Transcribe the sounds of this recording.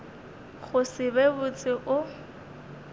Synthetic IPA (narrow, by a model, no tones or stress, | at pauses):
ɣʊsɪbebʊt͡sʼɪʔʊ